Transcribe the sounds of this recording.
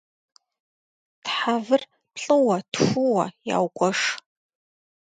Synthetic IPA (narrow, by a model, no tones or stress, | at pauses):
tħavɨr | pɬʼɨwɐtxʷuwɐ̰ja̰wkʷʼɔʂ